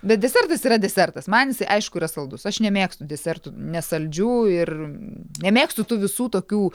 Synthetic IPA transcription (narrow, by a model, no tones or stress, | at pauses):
bʲɛt̪̚dʲɛsʲɛrt̪ɐsiːɾɐd̪ʲɛsʲɛrt̪ɐsmɐnjɪsɐɪʔɐɪʃkʊiːɾɐsɐlˠd̪ʊsɐʃnʲɛmʲeːkst̪ʊd̪ʲɛsʲɛrt̪ʊnʲɛsɐlʲd͡ʒʲuːɪrnʲɛmʲeːkst̪ʊt̪ʊʋʲɪsuːt̪oːkʲuː